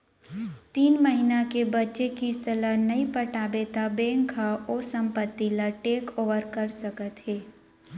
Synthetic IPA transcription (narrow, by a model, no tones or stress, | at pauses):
t̪iːnməɦinakebɐtːʃekiɪst̪ʰəlanɐipəʈaːbet̪abɛ̃ːŋkʰaoːsɐ̃mpət̪ːilaʈeːkoːʋəɾkɐɾsəkət̪ɦeː